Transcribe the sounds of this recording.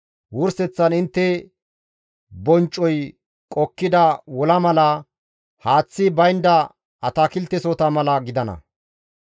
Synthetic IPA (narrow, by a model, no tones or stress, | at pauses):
wʊɾsɛt͡sːɐnɪnt̪ːɛ | bɔnt͡ʃʼːɔj | kʼɔkːɪd̪ɐwɔlɐmɐlɐ | haːt͡sːɪbɐjnd̪ɐ | ɐt̪akɪlt̪ːɛsɔt̪ɐmɐlɐɡɪd̪ɐnɐ̰